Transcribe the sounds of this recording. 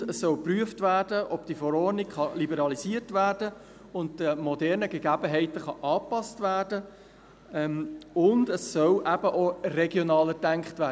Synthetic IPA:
əsːœlpryəftvæːɾd̥əʔɔbd̥ifɔɾɔːɾnikχɑlibəɾɑliziəɾtvæːɾd̥ə | ʊnt̚təmɔdɛɾnəɡeɡæbəɦɛɪtəχɑʔɑːpɑstvæːɾdə | ɛmʊndəsːœlʔæb̥əʔorɛɡjɔnɑːlədæŋkχtvæː

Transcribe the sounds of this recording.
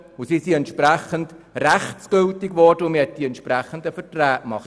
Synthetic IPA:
ʊsisiɛntʃpɾæχəndræχt͡sɡ̥ʏltɪɡʋɔɾd̥əʊmɛt̚d̥iɛntʃpɾæχəndəfətræːʔmɑχ

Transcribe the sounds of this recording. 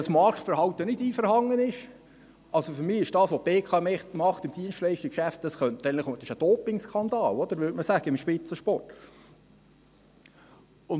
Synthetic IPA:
ɑsmɑrktfəɾhɑwt̪ənɪdiːfəɾhɑŋːənɪʃ | ʔɑlsofʏɾmɪːɪʃd̥ɑːsʋob̥eːkʰɑːmɛmɑχt̪ɪmd̥iənstlɛɪʃtikʃæft̚d̥ɑsχœnt̪ɛnləχɪ̥ʃəd̥ɔːpɪŋskʰɑnd̪ɑːlɔd̥̪əɾʋʏːtməsæɡ̥əɪmʃpɪt͡səʃpɔrt | ʊn

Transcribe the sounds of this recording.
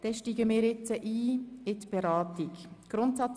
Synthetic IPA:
d̥ɛʃtiːɡəmɪːɾɪt͡səʔiːɪtb̥ɛɾɑːtɪkɡ̥ɾʊntsɑt͡s

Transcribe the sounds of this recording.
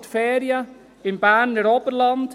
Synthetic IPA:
tfeːɾia | ɪnbaːnːəɾɔpərlɑnt

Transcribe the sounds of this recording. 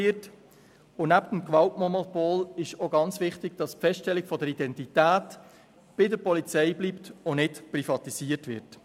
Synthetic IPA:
ɪt | ʊnæptəm̩kʋɑltmɔnɔpoːlɪʃoɡɑnt͡sʋɪχtɪɡ̥d̥ɑspfɛsttɛlɪɡ̥fɔdəɾidɛntitæːt | b̥ɪdəɾpɔlit͡sɛɪbliːptonɪtprifɑtisiːərtʋɪ̰rt

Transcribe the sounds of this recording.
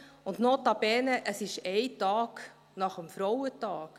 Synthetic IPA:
ʊndnɔtɑbɛːnəʔəsɪʃɛɪtɑːk | nɑχəmfɾɔwətɑːk

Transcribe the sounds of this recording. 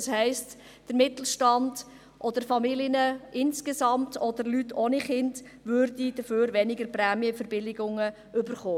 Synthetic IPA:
shɛɪst | d̥əɾmɪtl̩ˠʃtɑnd | ʔɔdəɾfɑmilɪnəʔɪnskesɑmtʰɔdəɾlytʰoːniχɪnd | ʋøɾdid̥əføːɾʋɛnɪɡəɾpræːmjəfəɾb̥ɪlɪɡʊŋə | ʔʏbəɾχoː

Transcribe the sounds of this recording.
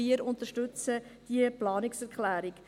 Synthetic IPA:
iəɾʊnt̪əʃtʉt͡səd̥iəplɑːnɪksɛɾkχlæːɾik

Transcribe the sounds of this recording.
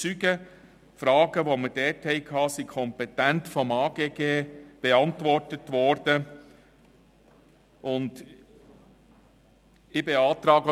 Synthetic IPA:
t͡syɡə | fɾɑːɡəʋomədɛthɛɪkʰɑːsikʰɔmpɛtæntfɔmɑːɡ̥eːɡeːb̥eɑntvɔrtətʋɔɾd̥ə | ʔʊnd | ɪbeɑːt̪ɾɑːɡə

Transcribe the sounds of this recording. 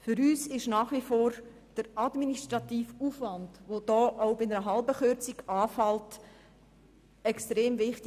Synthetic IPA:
fʏɾyːsɪʃnaːχʋifoːɾ | d̥əɾɑdministɾɑtiːfufvɑndʋod̥ɔːʔaʊbɪnəɾəɦɑlbəχøɾt͡siɡɑːfɑlt | ɛkstɾeːmvɪχt

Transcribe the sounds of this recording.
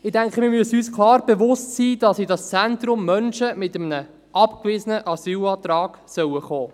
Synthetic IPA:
ɪdæŋkχəmɪːɾmyəsyːskχlɑːrb̥evʊstsiːd̥ɑsidɑst͡sɛnt̪rʊmːœnʃəmɪtəmənə | ʔɑpkʋɪzənəʔɑsyːlɑːt̪rɑːɡ̥sœwəχoː

